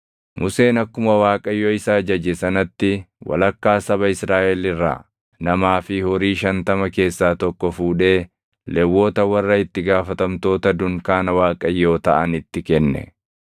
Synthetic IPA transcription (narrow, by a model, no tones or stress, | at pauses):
mʔʊse̞ːnɐkːʊmɐwaːkʼɐjːoːɪsaːd͡ʒɐd͡ʒɛsɐnɐt̪ːɪwɐ̰lɐkːaːsɐbɐɪsɾaːʔɛlɪrːa̰ː | nɐmaːfɪhɔɾiːʃɐnt̪ɐmɐke̞ːsːaːt̪ɔkːɔfuːᶑe̞ː | lɛwːo̞ːt̪ɐwɐrːɐɪt̪ːɪɡaːfɐt̪ɐmt̪o̞ːt̪ɐd̪ʊŋkaːnɐwaːkʼɐjːo̞ːt̪ɐʔɐnɪt̪ːɪkɛnːɛ̰